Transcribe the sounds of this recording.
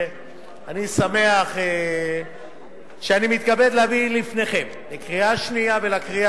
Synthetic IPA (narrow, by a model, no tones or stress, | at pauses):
anisame̞aχe | ʃeanimit̪kabed̪leavilifne̞χe̞m | lekʁiaʃniavelakʁia